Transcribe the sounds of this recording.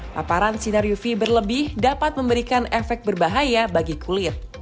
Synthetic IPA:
la̰paɾansinaɾijufibərləbɪhdapat̪̚məmbəɾikanɛfɛk̚t̪̚bərbaɦajabaɡikulɪr

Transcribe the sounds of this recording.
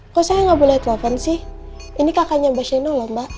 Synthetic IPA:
kɔsajaŋabulɛht̪ɛlɛfɔnsɪh | inikakaɲambaʃanɔlɔmba

